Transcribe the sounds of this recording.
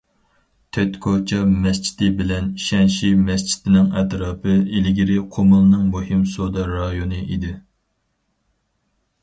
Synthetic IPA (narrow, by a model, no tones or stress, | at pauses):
t̪ʰɛt̪kʰot͡ʃʰɑmɛst͡ʃʰi̥t̪ɪbɪlɛniʃɛnʃimɛst͡ʃʰi̥t̪ɪnɪŋɛt̪ɾɑːpʰɨelɪɡʲiɾɪqʰomɨlˠnɨŋmuhɪmsod̪ɑɾɑjonɨʔid̪ɪ